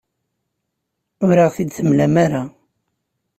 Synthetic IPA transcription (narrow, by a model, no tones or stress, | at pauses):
ʊɾaʁθid̪θəmlæmaɾa